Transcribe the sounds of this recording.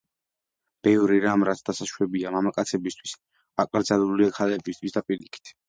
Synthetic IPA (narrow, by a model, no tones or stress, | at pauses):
b̥ɛvɾiɾamɾat̪sʰd̪asaʃwɛbiamamakʼat̪sʰɛbist̪ʰwis | akʼɾd̪zaluliakʰalɛbist̪ʰʼwisd̪apʼiɾikʰi̥t̪ʰ